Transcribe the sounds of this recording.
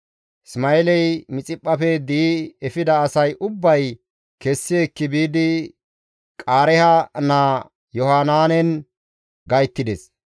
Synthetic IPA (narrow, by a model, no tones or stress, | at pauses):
ɪsmɐɛlɛjmɪt͡sʼɪpʼːɐpɛd̪iːɛfɪd̪ɐːsɐjʔʊbːɐj | kɛsːɪekːɪbiːd̪ɪ | kʼaːɾɛhɐnaː | jɔhaːnaːnɛn | ɡɐjt̪ːɪd̪ɛs